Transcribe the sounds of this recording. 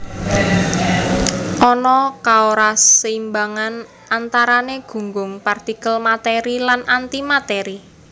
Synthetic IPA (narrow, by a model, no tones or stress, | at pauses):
ʔɔnɔkaoɾasimbaŋan | ʔant̪aɾaneɡ̥ṳŋɡʊŋpart̪ikəlmat̪eɾilanant̪imat̪ɛɾi